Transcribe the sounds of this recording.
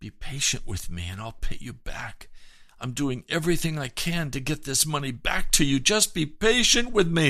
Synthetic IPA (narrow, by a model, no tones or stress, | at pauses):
b̥ipʰeɪʃɨ̰̃nʔwɨðmḭɨ̃naɪlˠpʰɪt͡ʃɨb̥æ̰kãɪ̃mdʉɪ̃ŋɛvɹiθɪ̃ŋaɪkʰɨ̃ntɨɡɛt̪̚ðɪsmʌnibæ̰k̚tʰɨjɨd͡ʒʌs̚b̥ipeɪʃɨ̃nʔwɪðmi